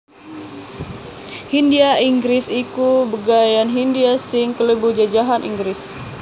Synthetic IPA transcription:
hindiaiŋɡɾɪsikubəɡajanɦindiasɪŋkələbud͡ʒad͡ʒaɦanʔḭŋɡɾɪs

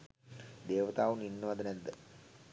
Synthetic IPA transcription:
d̪eːʋət̪aːʋuninːəʋɐd̪ənæd̪ːə

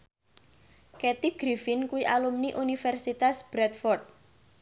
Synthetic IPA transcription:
kɛt̪iɡ̥ɾifɪnkuwiʔalumniʔunifɛrsit̪asb̥ɾɛt̪̚fɔrt̪̚

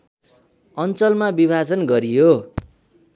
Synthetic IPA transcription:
ʌnt͡sʌlmabibʱad͡zʌnɡʌɾijo

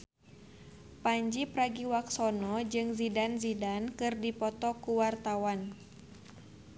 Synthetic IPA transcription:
paɲd͡ʒipɾaɡiwaksɔnɔd͡ʒɨŋzidanzidankɨrdipɔt̪ɔkuwart̪awan

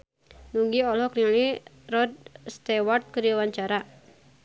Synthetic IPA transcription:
nuɡiɔlɔknili | ɾɔd̪̚st̪ewart̪̚kəɾwaɲt͡ʃaɾa

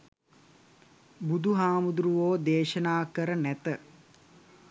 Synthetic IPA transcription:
bud̪ʱuɦaːmud̪ɾuʋoːd̪eːʃənaːkəɾənæt̪ə

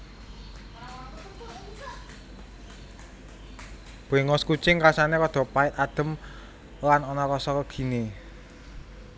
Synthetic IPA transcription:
b̥o̤eŋɔskut͡ʃɪŋɾasanekɔd̪̥ɔ̤paɪt̪ad̪̥ə̤m | lanɔnɔkɔsɔkəɡ̥i̤ne

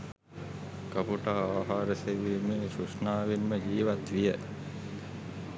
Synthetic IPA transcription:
kəpuʈaaːɦaːɾəseʋimesusnaːʋinməd͡ʒiːʋat̪ʋijə

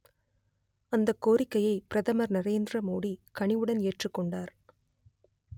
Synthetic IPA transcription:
ɐnd̪ɐkːoːɾɪkːɐjɐɪpɪɾɐðɐmɐɾnɐɾeːnd̪ɾɐmoːɽikɐɳɪʋɯɽɐneːʈrɯkːɔɳɖaːɾ

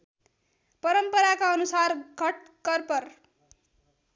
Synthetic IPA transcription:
pʌɾʌmpʌɾakaʌnusarɡʱʌʈɡ̥ʌrpʌr

